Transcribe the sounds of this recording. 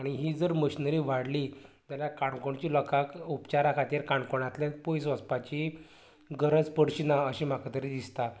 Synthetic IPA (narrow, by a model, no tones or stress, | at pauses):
aɽ̃iɦiːd͡zəɾməɕinəɾiʋaɽlit̪jaljakaɳkoɳt͡ɕiːlɔkʰakupt͡ɕaɾakʰat̪iɾkaɳkoɳ̃at̪lɛ̃pojsʋəspat͡ɕi | ɡəɾəd͡zpəɽɕinaəɕim̤akat̪əɾid̪ist̪a